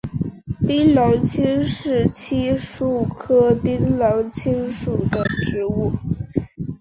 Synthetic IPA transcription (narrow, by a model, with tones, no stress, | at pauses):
pi˥nlɑ˧˥ŋt͡ɕʰi˥nʂɻ̩˥˩t͡ɕʰi˥ʂu˥˩kʰɤ˥pi˥nlɑ˧˥ŋt͡ɕʰi˥nʂu˨˩d̪ə˦ʈ͡ʂɻ̩˧˥u˥˩